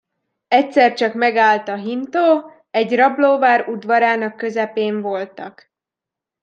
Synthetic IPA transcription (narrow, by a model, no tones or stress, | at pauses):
ɛcʲsɛrt͡ʃɒkmɛɡaːlt̪ɒɦint̪oː | ɛɟrɒbloːvaːɾud̪ʋɒɾaːnɒkːøzɛpeːɱvo̞lt̪ɒk